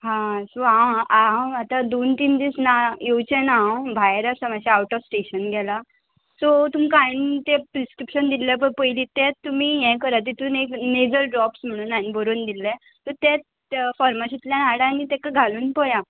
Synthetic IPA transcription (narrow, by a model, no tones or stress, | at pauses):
ɦãsoãawat̪ad̪ont̪ind̪isnajot͡ɕənawbʱajɾəsamaɕaawʈɔfsʈeɕənɡʱɛla | sɔt̪umikant̪epɾiskɾipɕənd̪ilɛp̬əɾpəjliːt̪ɛtt̪ːum̤ijɛ̃kəɾat̪̬it̪unekned͡zəɾɖɾɔpsm̤əɽ̃uːnanibəɾond̪ilːɛ | t̪ɔt̪ɛt̪ | fɔɾmaɕit̪ljanaɽãnːit̪ɛkaɡʱaluːnpəja